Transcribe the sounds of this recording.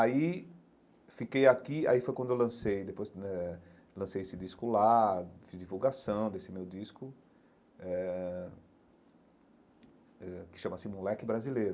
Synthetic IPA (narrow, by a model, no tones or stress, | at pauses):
ai | fikejakia̰ifojkwɐ̃d̪ʊewlɐ̃sejd̪epojsɛ | lɐ̃sejesɪd̪iskʊlafizd͡ʒivuwɡasɐ̃w̃d̪esɪmewd̪iskʊ | ɛ | ɛkɪ̥ʃɐ̃mɐsɪmulɛkɪbɾazileɾʊ